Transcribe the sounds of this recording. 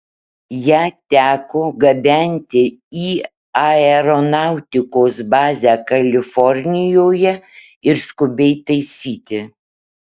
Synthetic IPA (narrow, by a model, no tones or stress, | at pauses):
jæːt̪ʲæːkoːɡɐbʲɛnʲt̪ʲɪiː | ɐɛɾɔnɑˑʊt̪ʲɪkoːsbɑːzʲæːkɐlʲɪfɔɾʲnʲɪjoːjɛɪɾskʊbʲɛɪt̪ɐɪsʲiːt̪ʲɪ